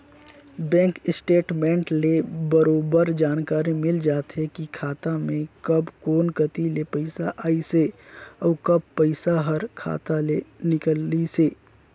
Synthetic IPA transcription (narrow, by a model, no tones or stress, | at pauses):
bɛ̃ːŋkɪsʈeːʈmẽːɳʈlebəɾoːbəɾd͡ʒaːnkaːɾimɪld͡ʒaːt̪ɦɛkikʰaːt̪amẽkɐbkoːnkət̪ilepəɪsaʔaːiseɔːkɐb̚pəɪsaɦəɾkʰa̰ːt̪alenɪkəlːiseː